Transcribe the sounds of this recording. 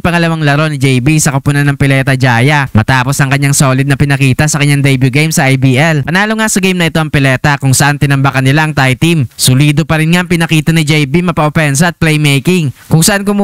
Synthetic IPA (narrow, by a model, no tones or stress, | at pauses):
pɐŋɐlɐwaŋlɐɾo̞nɪd͡ʒɛjbisɐkɐpʊnanːɐŋpɪlɛːt̪ɐd͡ʒaːjɐmɐt̪aːpo̞sʔɐŋkɐɲːaŋso̞ːlɪd̪̚nɐpɪnɐkiːt̪ɐsɐkɐɲɲaŋd̪ɛjbjuɡejmsɐʔajbiːʔɛlpɐnaːloŋasɐɡejmnɐʔɪt̪o̞ʔɐŋpɪlɛːt̪ɐkʊŋsɐʔant̪ɪnɐmbɐkɐnɪlaʔɐŋt̪ajt̪imsʊliːd̪opɐɾɪnŋaʔɐŋpɪnɐkiːt̪ɐnɪd͡ʒɛjbimɐpɐʔopɛnsɐɐt̪̚plɛjmɛjkɪŋkʊŋsɐʔankʊm